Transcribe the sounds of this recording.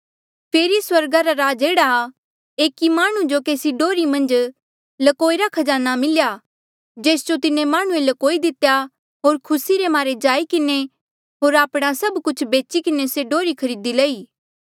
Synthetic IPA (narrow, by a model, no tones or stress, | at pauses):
pʰeːɾiswɐɾɡaɾaɾaːd͡ʒeːɽa | eːkimaːɽ̃ũd͡ʒokeːsiɖoːɾimɐ̃nd͡ʒ | lɐkoːiɾakʰɐd͡ʒaːnamɪlja | d͡ʒeːsd͡ʒot̪ɪnẽmaːɽ̃ũelɐkoːid̪ɪt̪eja | ɦoːɾkʰʊsiɾemaːɾed͡ʒaːikɪne | ɦoːɾaːpɽ̃asɐbkʊt͡ʃʰbeːt͡ʃikɪneseɖoːɾikʰɐɾiːd̪ilɐiː